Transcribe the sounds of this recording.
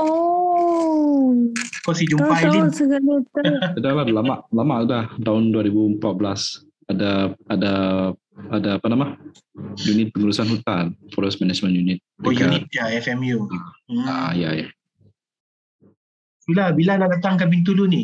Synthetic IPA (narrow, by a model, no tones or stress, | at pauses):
o | kɔsid͡ʒumpajisəɡalutkədalalamaʔlamaʔudaht̪aɦʊnduaɾibuəmpat̪̚bəlas | adaada | adaːpanama | junit̪̚pəŋuɾusanhut̪anfɔɾosmanad͡ʒmə̃njunit̪̚djɡuait̪̚jaɛfɛmjuaa̰jaja̰ | bilabiladadat̪aŋkabint̪̬uluni